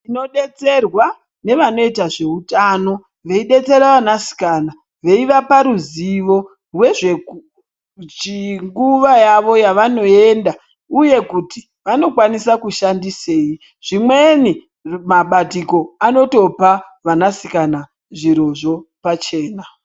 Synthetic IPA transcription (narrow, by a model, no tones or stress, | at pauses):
ino̞ɗe̞t͡se̞rwa | ne̞ʋano̞itaʐe̞utano̞ | ʋe̞iɗe̞t͡se̞ɾaʋanasi̥kana | ʋe̞iʋapaɾuziʋo̞ | rwe̞ʐe | t͡ʃiŋɡuʋajaʋo̞jaʋano̞e̞ːnda | uje̞kuti | ʋano̞kwanisakuʃandise̞ːi | ʐ̥imwe̞ni | maɓatiko̞ano̞to̞paʋanasikana | ʐiɾo̞ʐo̞pat͡ʃe̞ːna